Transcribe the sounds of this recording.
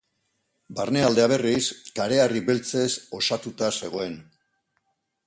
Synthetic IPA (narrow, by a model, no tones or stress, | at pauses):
barneald̪e̞aβe̞riskaɾe̞ariβe̞lt͡se̞so̞sat̪ut̪ase̞ɣ̞o̞e̞n